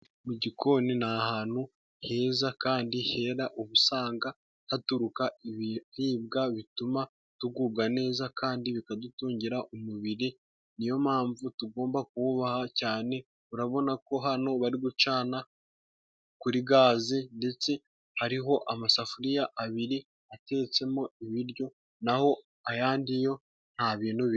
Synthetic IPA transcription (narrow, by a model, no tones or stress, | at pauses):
muɟikʰo̞ːninahaːnhu | he̞ːzakaːndihe̞ːɾaʔuβusaːŋɡa | hatuɾukaiβihiːb̚ɡaβituma | tuɡuːb̚ɡane̞ːzakʰaːndiβikadutuːɲɟiɾaʔumuβiɾi | nijo̞maːɱvutuɡo̞ːmbak̚uβuβahacaːne̞ | uɾaβo̞nako̞ɦano̞βaɾiɡut͡ʃaːna | kuɾiɡaːzinde̞t͡se̞ | haɾiɦo̞ʔamasafuɾijaʔaβiɾi | ate̞t͡se̞mo̞iβiɾjo̞ | naho̞ | ajaːndijo̞ | n̥haβiːn̥huβi